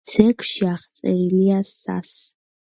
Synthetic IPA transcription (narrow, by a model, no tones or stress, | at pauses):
sʰɛkʰʼʃiaχt̪sʼɛɾiliasa̰s